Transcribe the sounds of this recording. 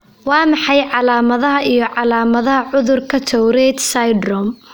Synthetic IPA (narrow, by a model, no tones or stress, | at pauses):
wɑːmɑħɑjʕɑlaːmɐðɐɦɐʔijɞʕɑlaːmɐðɐɦɐʕʊðʊrkʰɐt̪ʰɔwɾɛːd̪sɐjdɾɔm